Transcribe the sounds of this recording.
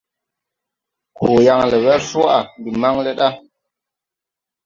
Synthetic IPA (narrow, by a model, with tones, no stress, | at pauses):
kʰo˨ja˧ŋlə˨wɛ˦fo˦a˨bi˨ma˦ŋlə˦ɗa˦